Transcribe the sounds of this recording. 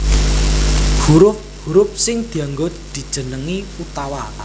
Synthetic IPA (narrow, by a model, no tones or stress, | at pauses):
huɾʊp̚huɾʊp̚sɪŋd̪̥i̤aŋɡod̪̥i̤d̥ʒ̥ə̤nəŋi | ut̪awa